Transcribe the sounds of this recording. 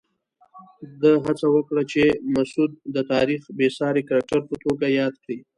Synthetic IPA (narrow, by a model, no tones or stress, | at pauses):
d̪əɦat͡sawəkɽat͡ʃemasud̪̚ːət̪ɑɾixbesɑɾekaɾak̚ʈaɾpət̪oɡajɑd̪kɽi